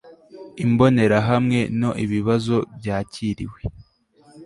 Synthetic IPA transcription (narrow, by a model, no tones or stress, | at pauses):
imbo̞ne̞ɾaɦamŋe̞no̞ʔiβiβazo̞bjaːciːɾḭwe̞